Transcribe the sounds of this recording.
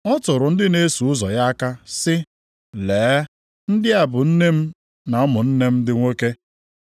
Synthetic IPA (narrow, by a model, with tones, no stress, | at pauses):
ɔ˦tʊ˨ɾʊ˨n̩˦dɪ˦ne˦su˨ʊ˦zɔ˨ja˦ka˦sɪ˦ | leː˨˦ | n̩˦dɪ˦a˨bʊ˨n̩˦ne˦m̩˦ | na˨ɔ˦mʊ˨n̩˦ne˦m̩˦dɪ˦ŋʷe˦ke˦